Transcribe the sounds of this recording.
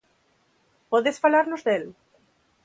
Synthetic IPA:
poðesfalaɾnozðel

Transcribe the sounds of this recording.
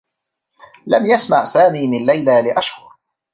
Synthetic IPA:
lamjasmaʕsaːmiːmɪnlajlaːlɪʔaʃhʊɾ

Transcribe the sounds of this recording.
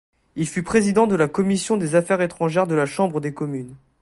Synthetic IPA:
ilfypχezid̪ɑ̃d̪əlakɔmisjɔ̃d̪ezafɛʁet̪χɑ̃ʒɛʁd̪əlaʃɑ̃bʁəd̪ekɔmyn

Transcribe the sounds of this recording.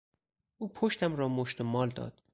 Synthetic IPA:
ʔuːpʰoʃt̪ʰæmɾɒːmoʃt̪omɒːld̪ɒ̰ːd̪̥

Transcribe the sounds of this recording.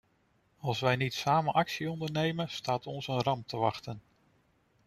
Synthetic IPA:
ɑlˠsʋɛjnitsaːmənʔɑksiɔndəɹnejmənstaːtɔnsənrɑmtəʋɑχtən

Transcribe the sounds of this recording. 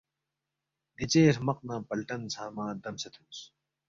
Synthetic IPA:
ɡit͡ɕeːɾmɐq̚nãːpɐlʈɐnsʰaːmãːd̪ɐmsɐt̪ʰuːs

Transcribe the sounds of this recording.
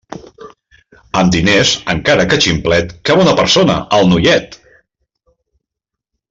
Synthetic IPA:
əmd̪inezəŋkaɾəkət͡ʃimplɛt̪kaβɔnəpəɾsonə̰ʔəlˠnuʎɛt̪

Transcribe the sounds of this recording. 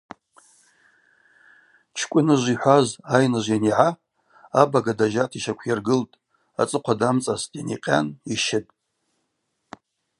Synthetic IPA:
t͡ʃʰkʷʼʊnɨʒʷiħʷazajnɨʒʷjaniʕa | abaɡadaʒatʰiʃakʷʰjarɡɨltʼ | at͡sʼɨqʷʰadamt͡sʼaztʼjaniqʲʼa̰niʃɪtʼ

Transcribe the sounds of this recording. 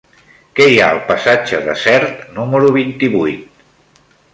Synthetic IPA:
kɛjaəlˠpəsad͡ʒəðə̰sɛɾt̪numəɾuβ̞int̪iβujt̪̚

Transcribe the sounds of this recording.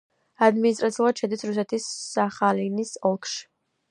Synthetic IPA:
ad̪minist̪ʼɾat̪siulˠad̪̥ʃɛd̪isɾus̬ɛt̪ʰisːaχalinisɔlˠkʰʃi̥

